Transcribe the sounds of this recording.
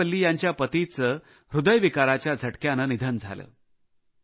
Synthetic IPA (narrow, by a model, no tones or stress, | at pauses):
əlːiːjaɲt͡ɕjapət̪it͡sə | ɾud̪əjʋikaɾat͡ɕjad͡zʱəʈkjanənid̪ʱənd͡zʱa̰lə̰ː